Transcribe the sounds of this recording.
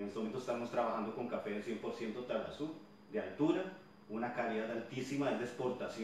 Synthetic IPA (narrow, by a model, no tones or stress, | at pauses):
nest̪emoment̪osest̪amost̪ɾaβaxand̪o̞ko̞ŋkafeðesjempo̞ɾsje̞nt̪ot̪ɾaβa̰su | d̪ealt̪uɾa | unakaliðaðalt̪isimaezd̪espo̞ɾt̪asj